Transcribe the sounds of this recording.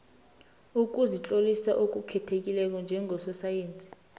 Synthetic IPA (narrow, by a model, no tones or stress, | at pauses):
uk̬ʼuzit͡ɬʼolisaʔok̬ʼukʰɛtʰek̬ʼilɛk̬ɔnd͡ʒʱɛŋʱɔsɔsajeːnt͡sʼi̥